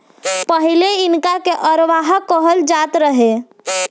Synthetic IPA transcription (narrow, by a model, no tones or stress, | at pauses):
pəɦileɪnkakeʔəɾʋaɦakəɦəld͡ʒat̪ɾəɦe